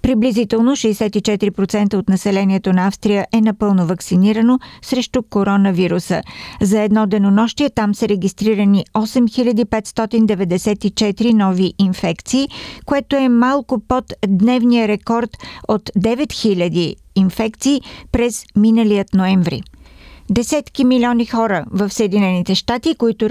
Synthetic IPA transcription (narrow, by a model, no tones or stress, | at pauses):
pɾiblizit̪ɛlˠnoʃɛːsɛt̪it͡ʃɛt̪iɾipɾot̪sɛnt̪əot̪nɐsɛlɛniɛt̪onɐafst̪ɾijəʔɛnɐpɤlˠnovɐksiniɾənosɾɛʃt̪ʊkoɾɔnəviɾusə̰zɐɛd̪nɔd̪ɛnonɔʃt̪iɛt̪amsəɾɛɡʲist̪ɾiɾəniɔsɛmxilʲəd̪ipɛt̪st̪ɔt̪ind̪ɛvɛd̪ɛsɛt̪it͡ʃɛt̪iɾinɔviʔinfɛkt̪siːkoɛt̪oɛmalˠkopot̪d̪nɛvnijəɾɛkɔɾt̪ot̪d̪ɛvɛt̪xilʲəd̪iː | nfɛkt̪siːpɾɛzminəliət̪noɛɱvɾḭd̪ɛsɛt̪kimilʲɔnixɔɾəvəfsəɛd̪inɛnit̪ɛʃt̪at̪ikoit̪ʊ